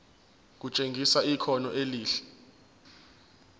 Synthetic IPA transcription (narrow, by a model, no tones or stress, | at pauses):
k̬ut͡ʃʼeŋɡʱisaikʰɔnɔʔeliːɬɛ̥